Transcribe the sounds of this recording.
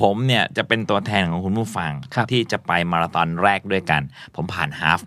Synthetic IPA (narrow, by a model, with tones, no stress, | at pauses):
pʰo˩˦mni˥˩ɐt͡ɕa˨˩pe˧nt̪u˧ɐt̪ʰɛː˧nkʰɔ˨˩˦ŋkʰu˧nmuː˥˩fa˧ŋʰ˧t̪ʰiː˥˩t͡ɕa˨˩pa˧jmɔː˧ɾa˧t̪ɔ˧nɾɛː˥˩k̚du˥˩əjka˧npʰo˩˦mpʰaː˨˩nhaː˦˥f̚